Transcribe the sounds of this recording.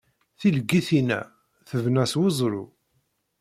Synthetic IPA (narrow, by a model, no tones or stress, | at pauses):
θiləɡːiθinæ̰ | θəvnæswozˤɾṵ